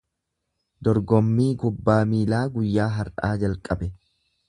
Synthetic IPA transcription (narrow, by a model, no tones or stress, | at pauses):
d̪ɔɾɡɔmːiːɡʊbːaːmiːlaːɡʊjːaːɦɐɾᶑaːd͡ʒɐlkʼɐbɛ